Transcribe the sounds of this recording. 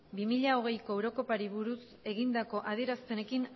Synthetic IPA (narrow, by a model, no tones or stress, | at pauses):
bimiʎao̞ɣ̞e̞jko̞ewɾo̞ko̞paɾiβuɾus | e̞ɣind̪ako̞ʔaðie̞ɾasp̪e̞ne̞kin